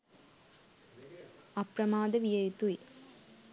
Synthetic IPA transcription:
ɐpɾɐmaːd̪ɐʋɪjɐjt̪uj

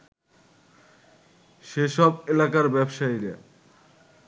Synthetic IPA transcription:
ʃeʃɔbelakaɾbɛbʃaiɾa̰

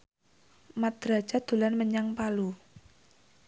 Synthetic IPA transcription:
mad̪̥ɾḁd͡ʒ̥a̤d̪̥ṳlanməɲaŋpalu

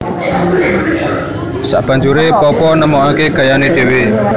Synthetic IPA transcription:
sa̰ʔb̥ä̤ɲd͡ʒuɾepɔpɔnəmɔŋakeɡ̥ä̤janed̪̥e̤we

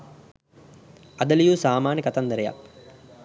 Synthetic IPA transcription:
ad̪ɐlijuːsaːmaːnəkat̪and̪əɾeja̰k̚

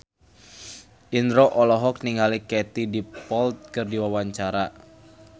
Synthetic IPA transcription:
ʔinɾɔʔɔlɔɦɔk̚niŋɦalikɛt̪idipɔlt̪̚kɨrdiwawaɲt͡ʃaɾa

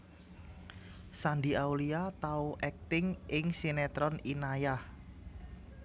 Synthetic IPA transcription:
sand̪iawliat̪auʔɛk̚t̪ɪŋʔɪŋsinɛt̪ɾɔninajah

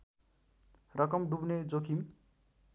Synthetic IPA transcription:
rʌkʌmɖubned͡zokʰim

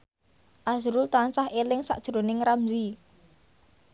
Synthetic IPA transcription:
ʔasɾult̪ansahʔelɪŋsa̰ʔd̥ʒ̥ɾonɪŋramzi

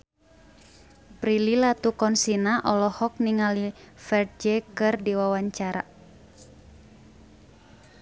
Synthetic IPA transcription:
pɾililat̪ukɔnsinaʔɔlɔhɔk̚niŋalifɛr̚d͡ʒɛkɨrdiwawaɲt͡ʃaɾa̰

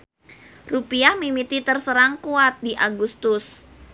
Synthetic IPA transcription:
rupiahmimit̪it̪ərsəɾaŋkuat̪̚diʔaɡust̪ʊs

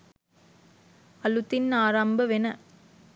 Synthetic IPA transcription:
ɐlut̪ːɪnnaːɾaːmbɐʋɛnɐ

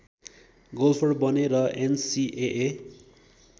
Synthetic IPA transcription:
ɡolpʰoɽbʌneɾʌʔensiʔeʔe

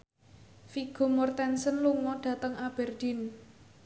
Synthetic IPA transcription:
fiɡ̥ɔ̤mɔrt̪ɛnsənluŋɔɖ̥ä̤t̪əŋab̥ɛrd̥i̤n

